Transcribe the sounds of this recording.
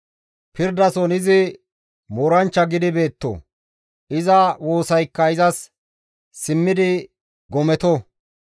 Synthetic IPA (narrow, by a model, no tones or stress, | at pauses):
pɪɾd̪ɐsɔnɪzɪ | mɔɾɐnt͡ʃːɐɡɪd̪ɪbe̞ːt̪ːo̰ | ɪzɐwo̞ːsɐjkːɐɪzɐs | sɪmːɪd̪ɪ | ɡɔmɛt̪ɔ